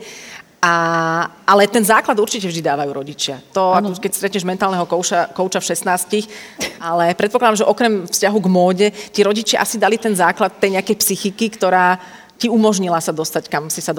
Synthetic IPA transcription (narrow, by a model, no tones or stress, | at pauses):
a | ʔalɛt̪ɛnzaːklad̪uɾt͡ʃicɛvʒd̪id̪aːʋajuːɾɔɟit͡ʃɪat̪ɔakɔkɛcst̪ɾɛt̪ɲɛʒmɛnt̪aːlnɛɦɔkɔʊʃakɔʊt͡ʃafʃɛsnaːscixalɛpɾɛt̪̚pɔklad̪amʒɛʔɔkɾɛmfscaɦuɡmɔːɟɛtiɾɔɟit͡ʃɪa̰ʔasid̪alit̪ɛnzaːklat̪ːɛjɲɛakɛjpsixikikt̪ɔɾaː | ciumɔʒɲilasad̪ɔst̪ackamsisa